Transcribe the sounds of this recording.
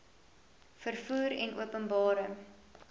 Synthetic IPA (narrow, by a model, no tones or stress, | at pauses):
fərfuːɾɛ̰nʔṵəpənbɑːɾəŋ